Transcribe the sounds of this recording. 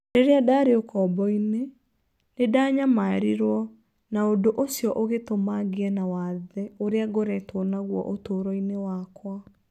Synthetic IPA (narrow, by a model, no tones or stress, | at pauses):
deɾeadaɾeokʰɔbɔine | nedaːɲamaeɾiɾwɔ | naodoʔosjɔʔoɣetomaɣeɛnawaðɛoɾeaɣoɾɛtwonaɣwɔ̰ʔotoːɾɔinewakwa